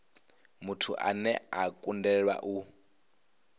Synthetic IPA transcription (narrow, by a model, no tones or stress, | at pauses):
mutʰṵʔa̰nɛakʼundɛɺwa̰ʔu